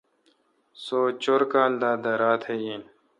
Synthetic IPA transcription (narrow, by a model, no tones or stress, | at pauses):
soːt͡ɕoɾkaːld̪aːd̪ɐɾaːt̪ʰhejiːn